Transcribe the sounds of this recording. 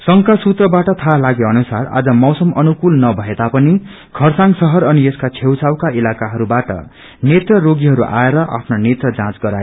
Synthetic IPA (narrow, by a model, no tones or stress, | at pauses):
sʌŋkasut̪rʌbaʈʌt̪ʰalaɡeʌnusara̰d͡zʌmʌwsʌmʌnukulnʌbʱʌed̪apʌni | ɡʰʱʌrsãŋsʌɦʌɾʌnieskat͡sʰewt͡sʰawkaʔilakaɦʌɾubaʈʌ̰ | net̪rʌroɡiɦʌɾuʔa̰eɾʌʔa̰pʰnonet̪rʌd͡zãt͡sɡʌɾae